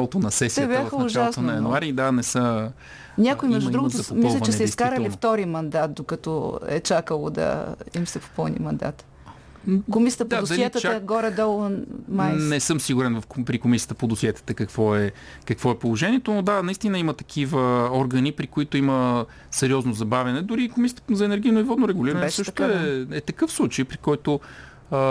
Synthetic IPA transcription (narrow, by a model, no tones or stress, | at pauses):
alˠot̪onɐsɛsiɛbʲaxəʊʒaalˠst̪onɐjɐnuaɾid̪anɛsə | nʲakoimɛʒd̪ud̪ɾuɡʊt̪mislʲɐvt͡ʃɛsɛiskaɾəlift̪ɔɾimɐnd̪at̪̚d̪okɐt̪ɔɛ̰t͡ʃakəlˠo̰d̪ɐ̰imsɛpo̥pəlˠnḭmɐnd̪a̰t̪ | komisʲiət̪əp̪oadosd̪ɐiɛt̪əɐɡɔɾɛd̪ɔlˠnmajnɛsɤmsiɡuɾɛnvɐfpɾikomisiət̪əpod̪osiɛt̪ə̥t̪əkɐkvɔɛ | kɐkvɔɛpolˠoʒɛnʲiɛt̪onod̪anɐist̪inəimət̪ɐ̥k̟ʰivəɔɾɡənipɾikoit̪oimə | sɛɾiɔznozɐbavʲjɐnɛd̪ʊɾikomisijət̪zɐɛnɛɾɡ̟ʲijnoivɔd̪noɾɛɡʊliɾɐnsɤʃt̪oɛɛt̪ɐkɤfslˠut͡ʃəjpɾikɔjt̪o